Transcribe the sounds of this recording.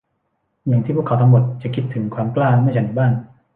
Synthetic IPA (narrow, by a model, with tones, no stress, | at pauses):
ja˨˩ŋt̪ʰiː˥˩pu˥˩kʰa˩˦wt̪ʰa˧mo˨˩t̪̚t͡ɕa˨˩kʰi˦˥t̪ʰːɯ˩˦ŋkʰwaː˧mklaː˥˩mɯ˥˩˨t͡ɕa˧˥˩diː˧˩baː˥˩n